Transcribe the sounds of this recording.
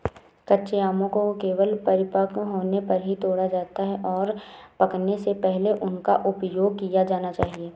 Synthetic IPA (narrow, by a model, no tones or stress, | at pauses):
kɐtːʃeaːmõkokeːʋəlpɐɾɪpəkɦoːnepɐɾɦit̪oːɽad͡ʒaːt̪aɦɛʔɔːɾpɐknesepɛɦleʔʊnkaʔʊpjoːɡ̚kijad͡ʒaːnat͡ʃaːɦieː